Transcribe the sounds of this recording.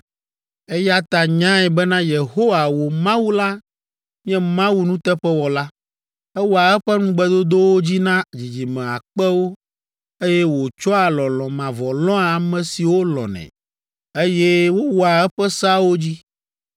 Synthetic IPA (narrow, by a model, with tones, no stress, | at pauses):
ɛ˦ja˦t̪a˨ɲã˦ɛ˨bɛ˦nã˦je˨ɦo˦wa˨wo˨mã˦wu˦la˦ | mĩ˦ɛ̃˦mã˦wu˦nũ˦t̪ɛ˦ɸɛ˦wɔ˨la˦ | ɛ˦wo˨a˨ɛ˦ɸɛ˦nũ˦ɡ͡bɛ˦d̪o˦d̪o˦wo˦d͡ʑi˦nã˦d͡ʑi˨d͡ʑi˨mɛ̃˨a̰˨k͡pɛ˦wo˦ | e˦jɛ˦wo˨t͡ʃɔ˦a˨lɔ̃˨lɔ̃˨mã˨vɔ˨lɔ̃˦a˨mɛ̃˨si˨wo˦lɔ̰̃˨nɛ̰̃˨ | e˦jɛ˦wo˦wɔ˨˦a˨ɛ˦ɸɛ˦sa˦wo˦d͡ʑi˦